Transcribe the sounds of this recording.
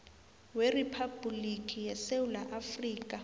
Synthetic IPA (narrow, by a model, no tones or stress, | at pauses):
weripʰabʱulikʼijɛsewulaʔafriːkʼa